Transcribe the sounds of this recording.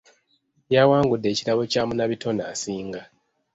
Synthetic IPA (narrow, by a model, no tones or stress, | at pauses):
jawaːŋɡudːe̞ːciɾaβo̞caːmunaβitʰo̞nasiːŋɡa